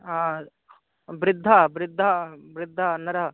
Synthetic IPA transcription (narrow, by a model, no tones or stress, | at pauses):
bɾɪd̪ʱːabɾɪd̪ʱːabɾɪd̪ʱːɐnɐɾɐɦ